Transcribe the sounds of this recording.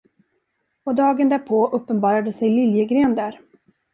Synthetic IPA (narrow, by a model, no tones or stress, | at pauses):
ɔd̪ɑːɡənd̪æːɾpʰoːʔɵpːənbɑːɾad̪əsɛjlɪljəɡɾeːnd̪æːɾ